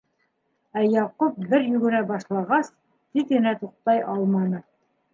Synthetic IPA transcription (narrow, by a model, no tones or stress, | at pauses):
æjɑqup̚bɘɾjʉɡɘ̆næbɑʃlˠɑʁɑs | t̪it̪ɡɘ̆næt̪uq̚t̪ɑjʔɑlˠmɑnɤ